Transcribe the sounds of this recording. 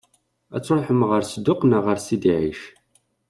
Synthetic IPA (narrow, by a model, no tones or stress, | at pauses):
æ̰t͡sːɾˤoħəmʁəɾsəd̪ːʊqnəʁəɾsid̪iʕiʃ